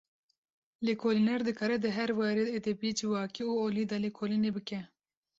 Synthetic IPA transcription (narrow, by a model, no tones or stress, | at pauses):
lekʰoːlinɛɾd̪ɨkʰɑːɾɛd̪ɨɦɛɾwɛɾed̪et̪epied͡ʒiwɑːkiuoːlid̪ɑːlekʰoːlinebɨkɛ